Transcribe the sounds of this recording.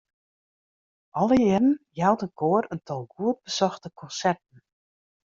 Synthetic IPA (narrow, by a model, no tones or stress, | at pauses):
ʔɔlˠəjɪrən̩jawtənkʰoəɾəntʰɔlˠɡuət̚bəsɔxtəkʰɔnsɛrtn̩